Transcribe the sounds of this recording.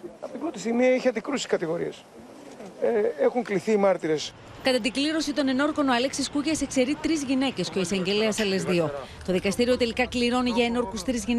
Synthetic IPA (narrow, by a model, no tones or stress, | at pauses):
ɐpot̪ibɾo̞t̪ist̪iɣmiɐiçeɐnd̪ikɾusi̥skɐt̪iɣo̞ɾies | eexuŋkliθiːmɐɾt̪iɾe̞s | kɐt̪ɐt̪iɡliɾo̞sit̪o̞ne̞no̞ɾko̞noɐleksiskucese̞kse̞ɾit̪ɾizʝine̞ce̞sceo̞isɐɲɟe̞leɐsɐle̞zðio̞t̪o̞ðikɐst̪iɾio̞t̪e̞likɐkliɾo̞niʝɐeno̞ɾkust̪ɾizʝin